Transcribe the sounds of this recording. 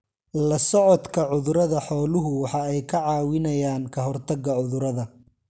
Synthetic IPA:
lɐsɔʕɔd̪kʰɐʕʊðʊɾɐðɐħɔːlʊɦʊwɑħɑɛjkʰɐʕɑːwɪnɐjaːnkʰɐɦɔrt̪ʰɐɡɐʕʊðʊɾɐðɐ

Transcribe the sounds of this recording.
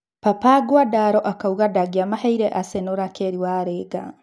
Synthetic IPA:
papaːɡwadaɾɔʔakauɣadaɡiamahɛiɾɛʔasenoɾakeɾiwaɾeːɡa

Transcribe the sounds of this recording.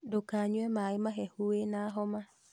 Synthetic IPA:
dokaɲwemaimaɦehuenaɦɔma

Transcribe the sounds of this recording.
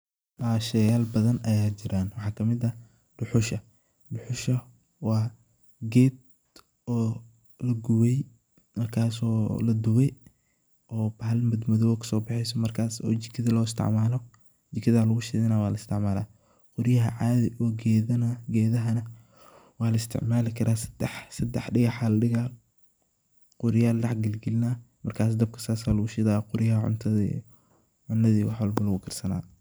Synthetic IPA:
baːʃɛjaːlbɐðɐnʔɐjaːt͡ʃɪɾaːnwɑħɑːkʰɐmɪdɐ | ɖ̥ʊħʊʃɐ | ɖʊħʊʃɐ | wɑː | ɡɛːd̪ | ɔː | lɐɡʊwɛj | mɐrkʰaːsɔːlɐd̪ʊwɛ | ʔɔːbɐɦɐlmɪd̪mɐðɔːwɐkʰɐ̥sɔːbɑħɛjsɔmɐrkʰaːsɔ̰ːt͡ʃɪ̥kʰɪðɪlɔːɪst̪ʰɪ̰ʕmaːlɔ | d͡ʒɪkʰɪðaːlɐɣʊʃɪðɪnaːwaːlɐɪst̪ʰɪ̰ʕmaːla̰ː | qʊɾjɐɦɐ̰ʕaːðɪʔɔːɡɛːðɐnaɡɛːðɐɦɐnɐ | wɑːlɐɪst̪ʰɪ̰ʕmaːlɪkʰɐɾaːsɐ̥d̪̥ɛħsɐd̪ɛħɖɪɣɑħaːlɐɗɪɣaː | qʊɾɪjaːlːɑħɡɪlɡɪlnaː | mɐrkʰaːs̬d̪ɐb̚kʰɐ̥saːsaːlʊɣʊʃɪðaːqʊɾɪjɐɦɐʕʊ̰nt̪ʰɐḭ | ʕʊnɐðiːwɑħwɐlbɐlɐɣʊkʰɐrsɐna̰ː

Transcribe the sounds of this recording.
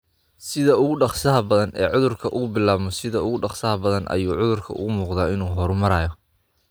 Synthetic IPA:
sɪðɐʊɣʊɖɑχsɐɦɐbɐðɐnʔɛ̰ːʕʊðʊrkʰɐʔʊɣʊbɪlaːβmɔsɪðɐʊɣʊɖɑχsɐɦɐbɐðɐnʔɐ̰juːʕʊðʊrkʰɐ̰ʊ̰ɣʊmuːqðaːɪnuːɦɔɾmɐɾaːjɔ

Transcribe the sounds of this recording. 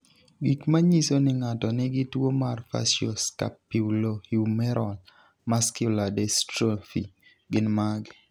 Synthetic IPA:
ɡikmaɲisonɪŋatɔnɪɡɪtwomarfa̰sjoska̰pːiwlohimɛɾʔɔl | maskjʊladɛstɾofḭ | ɡɪnmaɡɪ

